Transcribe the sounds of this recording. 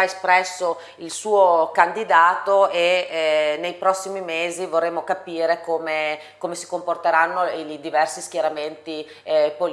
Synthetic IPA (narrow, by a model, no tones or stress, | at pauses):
aespɾɛsːo | ilsuːokand̪id̪aːt̪oe | nejpɾɔsːimimeːzivorːemːokapiːɾekoːme | komesi̥komport̪eɾanːod̪ivɛrsiskjeɾament̪i | pol